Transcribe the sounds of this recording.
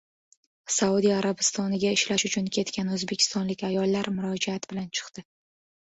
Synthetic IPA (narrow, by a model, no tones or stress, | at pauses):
saud̪ijaɾabɪst̪ɒnɪɡʲaɪʃlaʃʊt͡ʃʰʊnkʲʰe̞t̪kʲanɵzbe̞kʲʰɪ̥st̪ɒnlɪkʲajɒlːaɾmʊɾɒd͡ʒaat̪bɪlant͡ʃʰɨ̥qt̪ɪ